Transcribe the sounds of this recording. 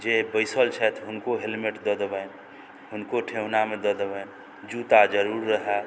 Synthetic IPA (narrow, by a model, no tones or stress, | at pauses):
d͡ʒebəɪsəlt͡ʃʰɛt̪ʰɦʊnkoɦelmeʈd̪ɔd̪əbən | ɦʊnkoʈʰeɦʊnamed̪əd̪əbən | d͡ʒut̪ad͡ʒəɾuːɾːəɦɛ